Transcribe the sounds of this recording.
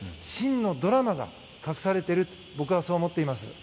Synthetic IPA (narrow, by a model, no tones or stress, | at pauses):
ɕĩnːo̞d̪o̞ɾamaɡa̰ | kakɯ̟saɾe̞t̪e̞ɾɯ̟t̪ | bo̞kɯ̟βasoːmo̞t̪ːe̞imasɨ̰